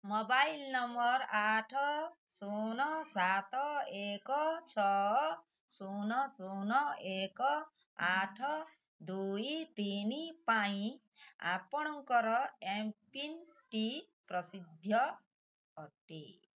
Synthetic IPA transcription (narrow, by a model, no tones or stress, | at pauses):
mɔbailnɔmɔɾaʈʰɔsunɔsat̪ɔekɔt͡ʃʰɔ | sunɔsunɔekɔaʈʰɔ | d̪uit̪inipaĩa̰pɔɽ̃ɔŋkɔɾɔempinʈi | pɾɔsid̪ʱjɔː | ʈḭ